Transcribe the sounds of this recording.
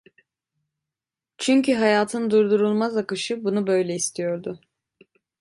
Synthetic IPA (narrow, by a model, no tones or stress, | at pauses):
t͡ʃʰyɲcyɦajaːt̪ʰɯnd̪uɾd̪uɾulˠmazakɯʃɯbunubø̞jlʲɛist̪ʰijo̞ɾd̪ʊ